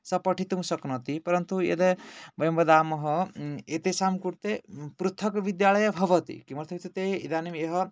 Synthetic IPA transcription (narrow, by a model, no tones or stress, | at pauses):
sɐpɔʈʰit̪umũsɔknɔt̪ipɔɾɐnt̪uḛd̪ebɔjmbɐd̪amɔɦɔet̪esamkuɾt̪epɾut̪ʰːɔkʋid̪jaɭɐjɐbʱɔbɔt̪ḭkimɐɾt̪ʰɐkʰit̪ʰut̪eḭd̪animeɦɔ